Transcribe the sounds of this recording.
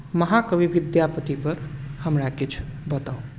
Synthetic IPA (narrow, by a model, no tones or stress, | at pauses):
məɦakəbiʋid̪japət̪ipəɾhəmɾakit͡ʃʰbət̪au